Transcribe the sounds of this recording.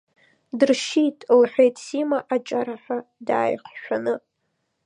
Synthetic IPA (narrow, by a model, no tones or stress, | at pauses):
dɨrʃitʼlħʷᶣejtʼsimaʔat͡ʃʼaɾaħʷᶣada̰ːjχʷʃᶣanɨ